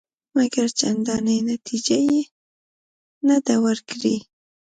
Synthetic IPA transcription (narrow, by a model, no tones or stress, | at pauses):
maɡaɾt͡ʃand̪ɑnəjnat̪ʰid͡ʒaje | nad̪awəɾkɽi